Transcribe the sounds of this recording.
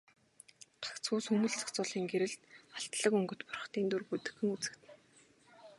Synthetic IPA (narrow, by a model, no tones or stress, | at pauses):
t̪ʰḁkt͡sʰuːsxɵmɘ̆ɮt͡sʰḁkt͡sʊːɮiːŋɡeɾɘ̆ɮt̪aɬt̪ɮə̆kɵŋɡɵ̆t̪pʊ̥r̆χt̪iːnt̪urput̪ɘ̆xɘ̆ŋut͡sɘ̆kt̪ʰɘ̆n